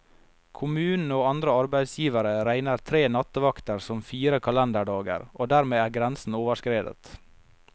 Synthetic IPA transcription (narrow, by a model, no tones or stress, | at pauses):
kʰʊmʉːnn̩oːɑnd̪ɾəɑɾbæɪd̪sjiːʋəɾəɾæɪnəɾt̪ʰɾeːnɑt̪əʋɑkt̪əɾsɔmfiːɾəkʰɑlɛnd̪əɖɑːɡə̰ɾʔoːd̪æːɾmeːæːɾɡɾænsn̩oːʋəʂkɾeːd̪ə̰t̪